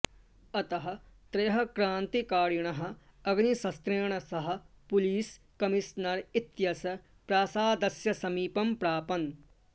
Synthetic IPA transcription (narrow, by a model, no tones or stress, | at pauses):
ɐt̪ɐɦɐ̆t̪ɾeːɦɐ̆kɾãːnt̪ikaːɾiɳ̃ɐɦɐ̆ | ɐɡnisɐst̪ɾeːɳ̃ɐsɐɦɐ̆ | pʊliːs | kɐmiʃnɐɾit̪jɐsɐ | pɾaːsaːd̪ɐsjɐsɐmiːpɐmpɾaːpɐn